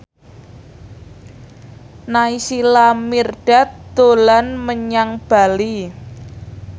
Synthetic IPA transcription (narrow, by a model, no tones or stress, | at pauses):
naisilamirɖ̥a̤t̪d̪̥olanməɲaŋb̥a̤li